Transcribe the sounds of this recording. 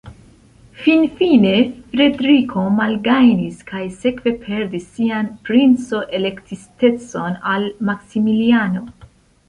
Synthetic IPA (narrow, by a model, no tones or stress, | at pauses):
finfine̞fɾe̞dɾikʰo̞malɡajniskʰajse̞kve̞pʰe̞ɾdisːianpɾint͡so̞ʔe̞lekt̪ʰist̪e̞t͡so̞nalmaksimiliano̞